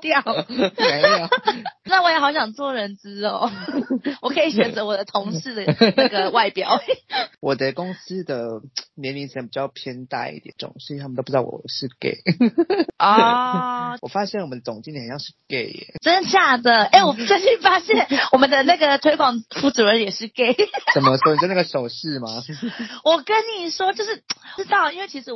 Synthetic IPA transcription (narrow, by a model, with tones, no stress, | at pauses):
t̪jɑ˥˨˩ | na˥˩wɔ˧˥jɛ˨˧˩xɑ˧˥ʊɕjɑ˨˩ŋt͡swɔ˥˩ɻə˧˥nt͡s̩˥ɔ˨ | wɔ˨˩kʰɤ˧˥i˧˩ɕɥɛ˨˩nt͡sɤ˧˦˥wɔ˨˩d̪ə˦t̪ʰʊ˧˥ŋʂɻ̩˥˩d̪ə˩˥na˥˩ɡə˨wa˥˩ɪpjɑ˧ʊwɔ˨˩d̪ə˦kʊ˥ŋsɹ̩˦˥d̪ə˨mjɛ˧˦nli˧ns̩˨˩˥pi˨˩t͡ɕjɑ˥˩ʊpʰjɛ˥nt̪a̰˥˧ɪḭ˥˩t̪jɛ̰˨˩nʈ͡ʂo̰˨˩ŋswɔ˧˥i˨a˥mə˨t̪o˥u˨˧˥ɑ˥˧wɔ̰˨˩ʂɻ̩˥˩kḛ˨˩˦ɪ | ʔɔ | wɔ˨˩fa˥ɕjɛ˥˩nwɔ˨˩mə˦nd̪ə˧t͡sʊ˨˩ŋt͡ɕi˥ni˨˩jɑ˥˧ʂɻ̩˥˩ke˥˩ɪ˨ʈ͡ʂə˥˦nɕja˥˩d̪ə˩ɛ˥˩wɔ˨˩sə˥nɕi˥˩fa˥ɕjɛ˥˩nwɔ˨mə˨˦nd̪ə˧na˥˩ɡə˨t̪ʰwe˥ɪkwɑ˨˩ŋfu˥˩ʈ͡ʂ̩˨˩ɻə˧˦njɛ˨˩ʂɻ̩˥˩ke˥˩ɪt͡sə˨˩mmə˦swt͡ɕo˥˧na˥˩ɡə˨ʂo˨˩ʊɕ̩˥˩ma˨˦wɔ˨˩kə˦nni˨˩ʂwɔ˥t͡ɕjo˥˧ʊʂɻ̩˥˩˥t̪ɑ˥˩ʊi˥nwe˥˩t͡ɕʰi˧˥ʂɻ̩˧